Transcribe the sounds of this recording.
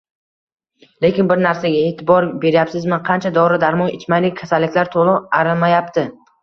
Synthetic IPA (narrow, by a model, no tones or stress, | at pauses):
le̞kʲɪnbɪɾnaɾsaɡʲaet̪ʰɪbɒɾbe̞ɾjapsɪzmɪnqʰɑnt͡ʃʰad̪ɒɾɪd̪aɾmɒnɪt͡ʃmajlɪk̚ʲkʰːasalːɪkʲlaɾt̪ʰolˠɪaɾɪlmajap̚t̪ʰɪ